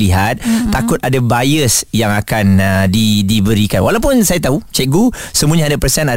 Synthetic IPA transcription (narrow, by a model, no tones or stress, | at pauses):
liɦat̪̚ːakʊt̪̚adabajəsjaŋakandidibəɾikanwalawp̬ʊnsajat̪aut͡ʃɛʔ̚ɡusəmũãɲaːdapərsɛna